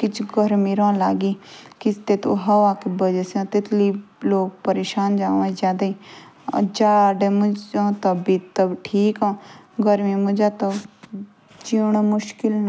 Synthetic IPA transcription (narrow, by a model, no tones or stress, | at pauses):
kɪt͡ʃʰɡəɾmiːɾɔ̃ːlaːɡiːkɪst̪eːt̪õːɦəʋaːkebəd͡ʒəsãːt̪ɪt̪liːloːk̚pəɾeːʃaːnd͡ʒaːãːid͡ʒjaːd̪aːiː | d͡ʒaːɖemʊd͡ʒãːt̪əbiːt̪əbʈʰiːkãːɡəɾmĩːmʊd͡ʒaːt̪o | t͡ʃiɳːmʊʃkɪln